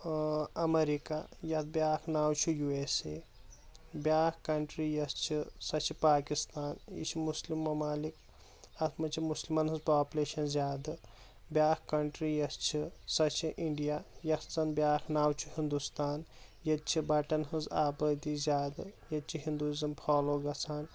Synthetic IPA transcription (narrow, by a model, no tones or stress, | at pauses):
ɐmeɾikajɐt̪̚bjaːkʰnaːwt͡ʃʰujuesḛ | bjaːkkɐɳʈɾijɐst͡ʃʰisɐt͡ʃʰipaːkist̪aːnjḭt͡ʃʰimuslimːɐmaːlik | ɐt̪ʰmɐt͡ʃʰimuslimɐnɦɨzpaːpleːʃɐnzʲjaːd̪ɐ | bjaːkkɐɳʈɾiːjɐst͡ʃʰisɐt͡ʃʰiʔiɳɖijajɐt̪t͡sɐnbʲaːkʰnaːwt͡ʃʰuhind̪ust̪aːnjɐt̪̚t͡ʃʰibɐʈɐnhɨzaːbɐːd̪iːzjaːd̪ɐjɐt̪̚t͡ʃʰiɦind̪uizɐmpʰaːloːɡɐt͡sʰaːn